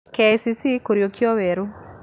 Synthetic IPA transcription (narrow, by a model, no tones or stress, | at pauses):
kesisikoɾjokjoweɾu